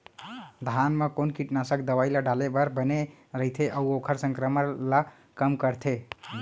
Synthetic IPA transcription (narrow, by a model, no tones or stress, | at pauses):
d̪ʱanmekonkiʈnasəkd̪əβajlaɖalebəɾbəneɾəɦit̪ʰeʔəuokʰəɾsəŋkɾəməɾla | kəmkəɾt̪ʰe